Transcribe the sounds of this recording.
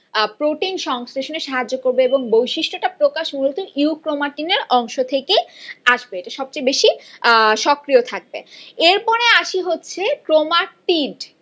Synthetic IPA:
pɾoʈinʃɔŋsɾeʃoneɾʃaɦad͡ʑːokoɾbeeboŋbojʃiʃʈoʈapɾokaʃmulot̪uiukɾomaʈineɾɔŋʃot̪ʰekeaʃbeeʈaʃɔb̚t͡ɕajbeʃiʃɔkɾiot̪ʰak̚bḛeɾpɔɽ̃eaʃiɦotːɕʰekɾomaʈiɖ

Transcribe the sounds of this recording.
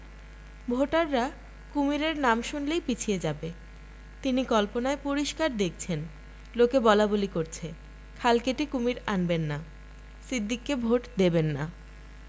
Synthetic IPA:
bʱoʈaɾːa | kumiɾeɾnamʃunlejpit͡ɕʰijed͡ʑabe | t̪inikɔlponaepoɾiʃkaɾd̪ek̚ʰt͡ɕʰen | lokebɔlabolikoɾt͡ɕʰe | kʰalkeʈikumiɾanbenːa | sid̪ːikːebʱoʈd̪ebenːa

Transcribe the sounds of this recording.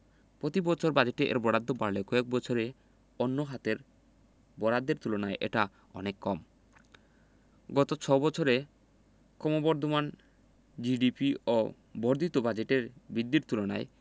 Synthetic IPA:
pɾot̪ibɔt͡ɕʰoɾbad͡ʑeʈeʔḛɾbɔɽad̪ʱːopaɾlekɔek̚bɔt͡ɕʰoɾe | onːoɦat̪eɾ | bɔɽad̪ːeɾt̪ulonaeʔḛʈa | ɔ̰nekːɔm | ɡɔt̪ot͡ɕʰɔbɔt͡ɕʰoɾe | kɔmobɔɾd̪ʱoman | d͡ʑiɖipio | bɔɾd̪ʱit̪obad͡ʑeʈeɾbid̪ːiɾt̪ulona̰e

